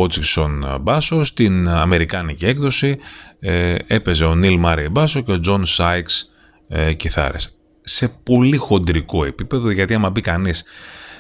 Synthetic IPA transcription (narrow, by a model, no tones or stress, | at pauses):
ot͡sikso̞nbɐsost̪inɐme̞ɾikɐnicie̞kðo̞si | e̞pe̞ze̞o̞nilmɐɾijbɐsoce̞o̞d͡zo̞nsɐjks | ciθɐ̰ɾes | se̞po̞lixo̞nd̪ɾiko̞e̞pipe̞ðoʝɐt̪iɐmɐbikɐnis